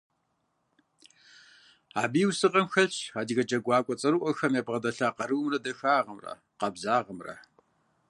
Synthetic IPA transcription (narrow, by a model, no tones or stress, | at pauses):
aːbiːwsɨʁɐmxɐaːdiɣɐd͡ʒɐɡʷaːkʷʼɔt͡sʼɐɾuʔʷɔxɐmjeːbʁɐdɐɬaːqɐɾɨwmrɐdɐxaːʁɐmrɐ̰ | qɐbzaːʁɐmrɐ̰